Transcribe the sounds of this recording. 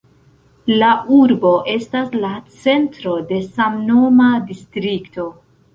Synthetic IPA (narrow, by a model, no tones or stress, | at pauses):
laʔuɾbo̞ʔe̞staslat͡se̞ntɾo̞de̞samno̞madistɾikto̞